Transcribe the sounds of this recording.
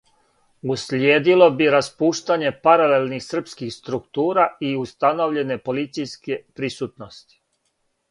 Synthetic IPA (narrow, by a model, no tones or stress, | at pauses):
uslʲjeːd̪ilˠo̞biɾaspuːʃt̪aɲe̞paɾale̞lˠnixsr̩pskixst̪ɾukt̪uːɾaiust̪ano̞ʋʎe̞ne̞po̞lit̪sijskepɾisut̪nost̪i̥